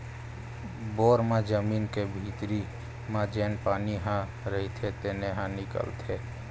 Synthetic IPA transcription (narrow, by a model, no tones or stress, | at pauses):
boːɾmed͡ʒəmiːnkebʱit̪ɾi | mad͡ʒeːnpaːniɦã | ɾəɦit̪ʰet̪eneɦãnɪkə̰lt̪ʰe